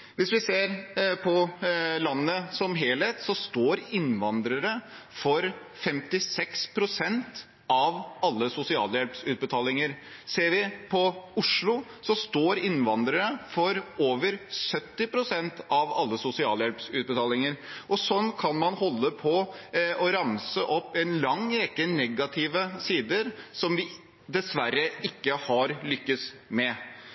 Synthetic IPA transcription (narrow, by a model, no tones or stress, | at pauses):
ʋɪsʋɪseːɾpʰɔlɑnːəsɔmɦeːlheːt̪sɔst̪oːɾɪnʋɑnd̪ɾəɾə | fɔɾ | fɛmt̪ɪsɛkspʰɾʊsɛnt̪ | ɑʋɑlːəsʊsɪɑ̰ːljɛlpsʉːt̪̚bət̪ʰɑːlɪŋəɾ | seːɾʋɪpʰɔʊʂɭʊ | sɔst̪oːɾɪnʋɑnd̪ɾəɾəfɔɾoːʋəɾsœt̪ːɪpʰɾʊsɛnt̪ɑʋɑlːəsʊsɪɑ̰ːljɛlpsʉːt̪̚bət̪ʰɑːlɪŋəɾʔɔsɔnːkʰɑnmɑnhɔlːəpʰɔɔɾɑmsəʔɔpːɛnlɑŋɾɛkːənɛɡɑt̪ʰɪʋəsiːd̪əɾsɔmʋɪ | d̪ɛsʋæɾːəɪkːəhɑɾlʏkːəsmɛ